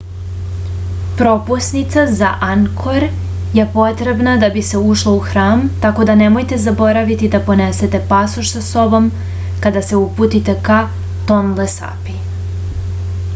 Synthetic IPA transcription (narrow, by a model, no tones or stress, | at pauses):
pɾo̞pusnit̪sazaʔaŋkʰoɾ | jepo̞t̪ɾe̞bnad̪abise̞uʃlˠo̞uxɾaːmt̪ako̞d̪ane̞mo̞jt̪e̞zabo̞ɾaʋit̪id̪apo̞ne̞se̞t̪e̞pasoʃsaso̞bo̞m | kad̪ase̞uput̪it̪e̞ka | t̪o̞nlesa̰pi